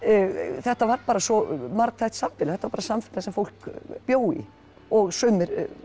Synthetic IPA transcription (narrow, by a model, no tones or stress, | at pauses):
θɛht̪avaɾpaːɾasɔmaɾkt̪ʰajht̪samfɪlaθɛht̪avaɾpaːɾasamfɪlasɛmfowl̥kpjoːwḭ | ɔɣsʏːmɪɾ